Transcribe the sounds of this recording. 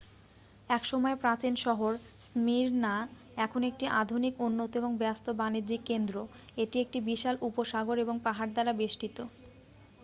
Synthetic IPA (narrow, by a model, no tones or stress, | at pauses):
ɛkʃɔmɔepɾat͡ɕinʃɔɦoɾ | smiɾna | ɛkʰonek̚ʈiʔad̪ʱunikunːot̪oeboŋbɛast̪obanid͡ʑikːend̪ɾo | eʈiek̚ʈibiʃalupoʃaɡoɾeboŋpaɦaɾd̪aɾabeʃʈit̪o